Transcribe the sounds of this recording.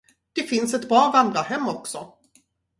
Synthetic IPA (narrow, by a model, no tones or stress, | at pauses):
d̪̥ɛfɪnsɛt̪bɾɑːvand̪ɾahɛmːɔksɔ